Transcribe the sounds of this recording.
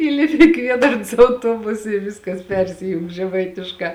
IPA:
ˈiːlʲɪpʲɪ ɪ ˈkʋʲiɛdɐrns ɐʊˈtuɔbʊsɐ ɪ ˈʋʲɪskɐs ˈpʲɛrʲsʲɪjʊŋk ʒʲɛˈmɐɪtʲɪʃkɑː

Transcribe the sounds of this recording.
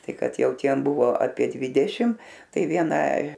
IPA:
ˈtɐɪ ˈkɐt ˈjɛʊ ˈtʲiɛm ˈbʊʋoː ɐpʲiɛ ˈdʲʋʲɪdʲɛʃʲɪm ˈtɐɪ ˈʋʲiɛnɐ

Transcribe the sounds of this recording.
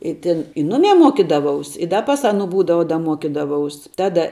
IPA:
ɪ ˈtʲɪn ɪ ˈnʊmʲɛɪ ˈmuɔkʲiːdɐʋɐʊs ɪ ˈdɐ pɐs ˈɑːˌnʊ ˈbuːdɐʋɐ dɐ ˈmuɔkʲiːdɐʋɐʊs ˈtɑːdɐ

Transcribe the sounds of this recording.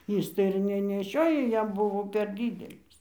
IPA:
ˈiːs tɐɪ ɪr nʲɛnʲɛˈʃʲoːjoː ˈjɛm ˈbʊʋoː pʲɛr ˈdʲiːdʲɛlʲɪs

